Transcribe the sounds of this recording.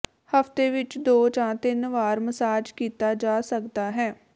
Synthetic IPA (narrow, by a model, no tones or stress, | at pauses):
həft̪eːʋɪt͡ʃd̪oːt͡ʃãːt̪ɪnʋaːɾməsaːd͡ʒkiːt̪aːd͡ʒaːsəkd̪aːɦɛː